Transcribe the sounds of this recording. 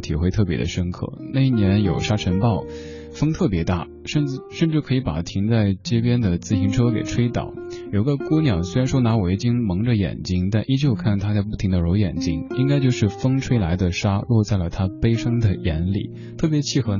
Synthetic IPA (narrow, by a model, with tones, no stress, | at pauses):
t̪ʰi˨˩xwe˥˧ɪt̪ʰɤ˥˩p̬jɛ̰˧˥d̪ə̰˧ʂə˥nkʰɤ̰˥˩na˥˧i˥˩njɛ˧˥njo˨˩ʊʂa˥ʈ͡ʂʰə˧˥npɑ˥˩ʊ | fɤ˥ŋt̪ʰɤ˥˩p̬jɛ˧˥t̪a˥˩ | ʂə˥˧n̩˥˧ʂə˥˧nʈ͡ʂɻ̩˥˩kʰɤ˧˥i˧˥pa̰˨˩t̪ʰi˧˥ŋt͡sa˥˧ɪt͡ɕe˥˩pjɛ˥nd̪ə˨t͡sɹ̩˥˩ɕi˧˥ŋʈ͡ʂʰɤ˥ke˨˩ɪʈ͡ʂʰwe˥ɪt̪ɑ̰˨˩˦ʊjo˨˩i˧˥ɡə˧ku˥njɑ˨˩ʊswe˥ɪɻa˧˥nʂwna˧˥wɔ˨˩i˥˩t͡ɕi˥ŋmɤ˧˥ŋʈ͡ʂə˧jɛ̰˨˩nt͡ɕi˥ŋt̪a˥˧nʔi˥˧t͡ɕjo˥˧ʊkʰa˥˩nt̪ʰa˥ta˧p̬u˥˩t̪ʰi˧˥ŋd̪ə˧ɻo˧˥ʊjɛ̰˨˩nt͡ɕi˥ŋi˥ŋka˥ɪt͡ɕjo˥˧ʊʂɻ̩˥˩fɤ˥ŋʈ͡ʂʰwe˥ɪla˧˥ɪd̪ə˨ʂa˥lwɔ˥˧t͡sa˥˩ɪlə˩t̪ʰa˥pe˥ɪʂɑ˥ŋd̪ə˨jɛ˧˥nlḭ˨˩˦ | t̪ʰɤ˥˩p̬jɛ˧˥t͡ɕʰi˥˩xɤ˧˥